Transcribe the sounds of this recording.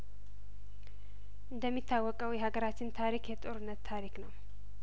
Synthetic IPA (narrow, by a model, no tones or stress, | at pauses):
ʔɨnd̪əmːit̪ʰːawːɔkʼəwjɛɦaɡəɾat͡ʃːɪnt̪ʰaɾikjɛt̪ʼo̞ɾɨnːət̪ʰːaɾiknəw